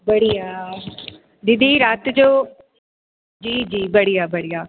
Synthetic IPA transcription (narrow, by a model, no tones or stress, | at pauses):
bəɽijaː | d̪ɪd̪iːɾat̪d͡ʒoː | d͡ʒiːd͡ʒiːbəɽijaːbəɽijaː